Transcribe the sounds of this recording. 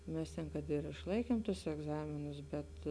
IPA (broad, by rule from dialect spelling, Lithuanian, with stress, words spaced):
ˈmʲɛs tʲɛn kɐt ɪr ɪʃˈlˠɐɪkʲiɛmˈtʊs ɛɡˈzɑːmʲɪnʊs bʲɛt